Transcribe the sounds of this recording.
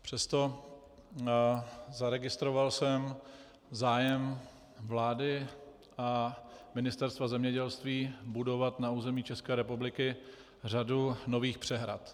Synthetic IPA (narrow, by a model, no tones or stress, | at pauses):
pr̥ɛst̪o̞ | zaɾɛɡɪst̪ɾovalsɛm | zaːjɛm | vlaːdɪ | ʔamɪnɪst̪ɛɾst̪vazɛmɲɛɟɛlst̪viːbudo̞vat̪nauːzɛmiːt͡ʃɛskɛːɾɛpublɪkɪ | radunoviːxpr̝̥ɛɦɾa̰t̪